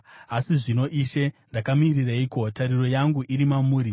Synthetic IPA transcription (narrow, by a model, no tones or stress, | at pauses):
asiʐino̞ʔiːʃendakamiriraiːko̞taɾiro̞jaŋɡuʔiɾimamuːɾi